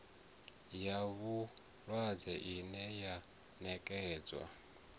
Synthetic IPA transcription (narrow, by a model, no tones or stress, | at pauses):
jaβu | lwad͡zɛʔinɛja | nɛkʼɛːd͡zwa̰